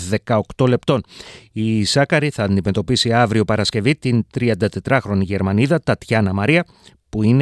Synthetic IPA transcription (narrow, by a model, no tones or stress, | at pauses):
ðe̞kɐo̞kt̪o̞le̞pt̪o̞nisɐkɐɾiθɐːnd̪ime̞t̪o̞pisiɐvɾio̞pɐɾɐsce̞vit̪int̪ɾiɐnd̪ɐt̪e̞t̪ɾɐxɾo̞niʝe̞ɾmɐniðɐt̪ɐt̪çɐnɐmɐɾiɐ | puine